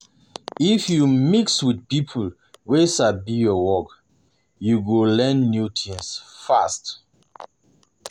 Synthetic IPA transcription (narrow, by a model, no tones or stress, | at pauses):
ifjumikswid̚pipʰul | wesabijɔwɔk | juɡolɛ̃nːjutʰĩŋsfast